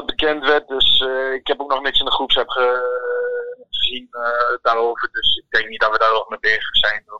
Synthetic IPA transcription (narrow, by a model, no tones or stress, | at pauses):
tbəkɛntʋɛt̚døsɪkhɛpok̚nɔxnɪksɪndəχrupsɛpχə | χəzindaːɾoːvərdøsɪk̚dɛŋknit̚dɔtʋədaːroːəmɛbɪxəsɛjno